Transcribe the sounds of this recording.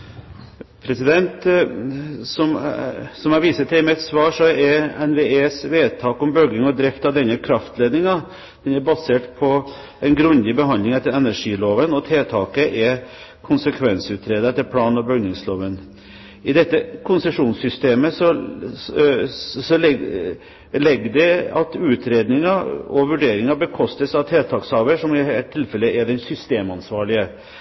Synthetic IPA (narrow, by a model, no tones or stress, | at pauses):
pʰɾɛsɪd̪ɛnt̪ | sɔmsɔmɑɾʋiːsət̪ʰɪmɛɛt̪sʋɑːʂɔɛɾɛnʋeːeːsʋeːd̪̚t̪ʰɑːkɔmbœɡɪŋɔd̪ɾɛft̪ɑʋd̪ɛnːəkʰɾɑft̪ʰleːd̪nɪŋɑ | d̪̥ɛnɛɾbɑseːʈpʰɔ | ɛnɡɾʉnd̪ɪbəɦɑnd̪lɪŋɛt̪ːəɾɛnæʂiːloːʋənɔt̪ʰeːt̪ʰɑːkəʔɛ | kʰʊnsəkʰʋɛnsəʉːt̪ɾeːd̪əɾɛt̪ːəɾpʰlɑːnɔbœɡnɪŋsloːʋən | ɪd̪ɛt̪ːəkʰʊnsəʂuːnsʏst̪eːməsɔ | sɔl | lɛɡːd̪ɛɑ̰t̪ʉːt̪ʰɾeːd̪nɪŋɑɔʋʉɖeːɾɪŋɑbəkʰɔst̪əsɑʋt̪ʰeːt̪ʰɑːkshɑːʋəʂɔmɪɛt̪ʰːɪlfɛlːəʔɛɖɛnsʏst̪eːmɑnsʋɑːɭɪə